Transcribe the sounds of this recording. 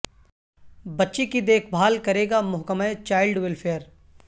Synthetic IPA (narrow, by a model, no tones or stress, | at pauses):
bɐtːʃikid̪eːkʰbʱaːlkɐɾeːɡamʊɦkəməet͡ʃaːɪlɖwɪlpʰeːəɾ